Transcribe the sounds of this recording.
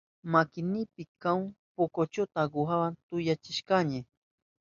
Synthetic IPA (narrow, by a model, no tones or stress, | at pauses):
makɪnɪpɪkaŋpokot͡ʃot̪aɢʊɦawant̪ʊjat͡ʃɪʃkaɲɪ